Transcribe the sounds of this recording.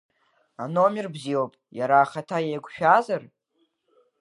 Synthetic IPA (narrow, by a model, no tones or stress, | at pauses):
ano̞mʲɪrbziopʼjaɾaːχatʰajejɡʷʃᶣazar